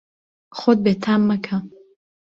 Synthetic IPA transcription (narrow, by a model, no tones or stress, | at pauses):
χod̪̚bet̪ʰaːmːɐkʰa